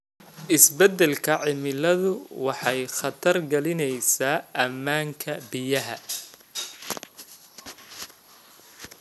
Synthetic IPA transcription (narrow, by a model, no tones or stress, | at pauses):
ʔɪsbɛd̪ɛlkʰɐʕɪmɪlɐðʊwɑħɑjχɑt̪ʰɐrɡɐlɪnɛjsaːʔɐmːaːŋkʰɐbɪjɐɦɐ̰